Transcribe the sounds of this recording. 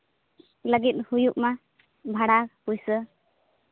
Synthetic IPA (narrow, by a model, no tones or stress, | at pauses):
ləɡit̪̚hujuʔma | bʱaɽaɾhujsə